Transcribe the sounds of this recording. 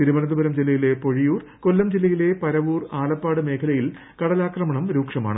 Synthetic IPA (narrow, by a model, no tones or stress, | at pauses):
t̪iɾumɐnɐnd̪ubɐɾɐmd͡ʑilɐjile̞po̞ɻijuːrkolːɐmd͡ʑilɐjile̞pɐɾɐʋuːraːɭɐpːaːɽɨme̞ːkʰɐlɐjil | kɐɽɐlaːkrɐmɐɳɐmɾuːkʂɐma̰ːɳɨ